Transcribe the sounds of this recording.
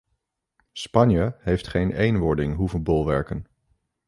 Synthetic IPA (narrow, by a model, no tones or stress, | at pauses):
spɑnjəɦejftχejnejnʋɔɹdɪŋɦuvənbɔlˠʋɛɹkən